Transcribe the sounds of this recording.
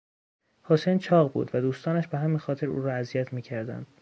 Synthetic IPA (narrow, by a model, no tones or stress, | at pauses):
hosejnt͡ʃʰɒːɣbṵːd̪væd̪uːst̪ɒːnæʃbeɦæminxɒːt̪ʰe̞ɾṵːɾɒæzijæt̪ʰmiːcʰæɾd̪æ̰nd̪